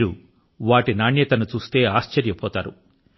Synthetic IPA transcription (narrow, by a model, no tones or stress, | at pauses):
ɾu | ʋaːʈinaːɳjɐt̪ɐnut͡ʃuːst̪e̞ːaːʃt͡ʃɐɾjɐpɔːt̪aːɾu